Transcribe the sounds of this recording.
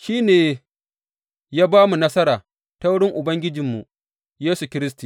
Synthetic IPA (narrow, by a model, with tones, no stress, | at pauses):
ʃiː˦neː˨ | jaː˦baː˦mu˨nɐ˦sɐ˦ɾaː˨ | ta˦wʊ˦ɽɪ˦ŋʔʊ˨bɐ˦ŋɡʲɪ˦d͡ʒɪ˨mːu˨ | jeː˦su˨kʲɪ˦ɾɪ˦sti˨